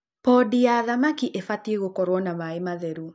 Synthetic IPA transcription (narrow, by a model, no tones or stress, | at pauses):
pɔdijaːðamakiʔefateɣokɔɾwɔnamaemaðɛɾu